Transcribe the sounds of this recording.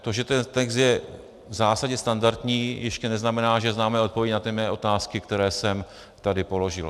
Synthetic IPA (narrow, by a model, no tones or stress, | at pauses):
t̪o̞ʒɛt̪ɛnt̪ɛkst̪jɛ | vzaːsaɟɛst̪andaɾt̪ɲiːjɛʃcɛnɛznamɛnaːʒɛznaːmɛːʔot̪̚povjɛɟnat̪ɪmɛːʔo̞t̪aːskɪkt̪ɛɾɛːsɛm | t̪adɪpo̞lo̞ʒɪ̰l